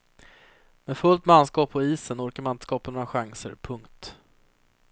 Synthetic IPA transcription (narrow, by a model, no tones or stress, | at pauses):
meːfɵlt̪manskɑːpʰɔiːsənɔɾkaɾmaɪnskɑːpanoːɾaɧaŋsə̰ɾpʰɵŋkt̪